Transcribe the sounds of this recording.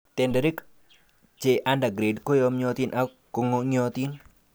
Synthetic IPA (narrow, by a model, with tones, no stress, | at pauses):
t̪ɛ˨ndɛ˨ɾi˦k | t͡ʃe˨ʔa˦nda˨ɡɾe˨dko˦jo˦mɲɔ˧t̪i˦nʔa˦ | kːo˨ŋo˦ŋ˦ɔ˦t̪i˦n